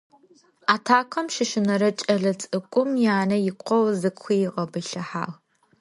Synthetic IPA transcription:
aːtʰaːqʰɐmʃɪʃɪnɐɾɐt͡ʃʼɐɮɐt͡sʼɨkʷʼʊmjaːnɐjɪqʷɔwzɨkʷxʷiːjɪʁɐbɨɬɐħa̰ːʁ

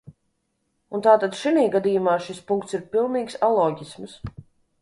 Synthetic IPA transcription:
unt̪aːt̪ad̪ʃiniːɡad̪ijumaːʃispuŋkt̪siɾpilˠniːksalˠɔːɡʲisms

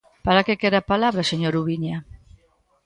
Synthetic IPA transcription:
paɾakekeɾapalaβɾaseɲoɾuβiɲa

